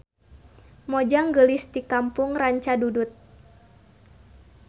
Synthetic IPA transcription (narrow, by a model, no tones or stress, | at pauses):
mod͡ʒaŋɡəlɪsdikampʊŋraɲt͡ʃadudʊt̪̚